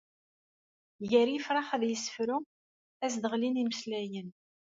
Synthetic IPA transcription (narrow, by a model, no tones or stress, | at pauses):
ʝəɾjəfɾˤɑχæðjəsːə̥fɾu | æsd̪əʁliniməslæjən